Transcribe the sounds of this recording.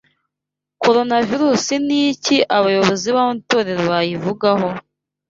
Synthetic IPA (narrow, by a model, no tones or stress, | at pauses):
ko̞ɾo̞naviɾuːsiniciʔaβajo̞βo̞ziβamutoɾeɾβajivuɡaɦo̞